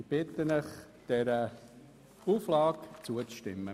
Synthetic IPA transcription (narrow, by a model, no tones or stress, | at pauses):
b̥ɪt̪ənəχ | d̥ɛɾə | uːflɑːkt͡suət͡sʃtɪ̰mːə